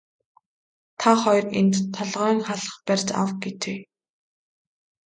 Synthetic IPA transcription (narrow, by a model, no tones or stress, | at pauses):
t̪ʰaχɔjrent̪t̪ʰːɔɮʁœːŋχaɮə̥̆χpærʲt͡ɕa̰wɡet̪ʰeː